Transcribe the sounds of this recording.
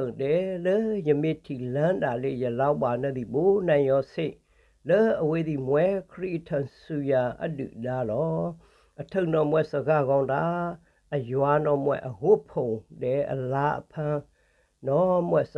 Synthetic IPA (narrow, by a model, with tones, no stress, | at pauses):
dɛ˨lə˦jə˨mɪ˦˨tʰi˨lã˦nda˨lḛ˦˨jə˨la˦ba˨nɛ˦˨d̪i˨bo˨˦nã˨ɪ̃jɔ˦se˦˨ʔ | lə˦ʔə˨we˦d̪i˨mwɛ˦kʰəɾḭ˦ʔtʰã˨su˨ja˨ʔə̰˦dṵ˨da˦lɔ˦ | ʔə˨tʰə̃˦˨nɔ˦˨mwɛ˦˨sə˨ɡa˦˨ɣã˦ʊ̃da˨˦ | ʔə˨jwa˨nɔ˦mwɛ̰˦˨ʔə˨hʊ˦pʰõ˨dɛ˨ʔə̰˨la˦ʔə̰˨pʰã˦ | nɔ˦mwɛ˦˨s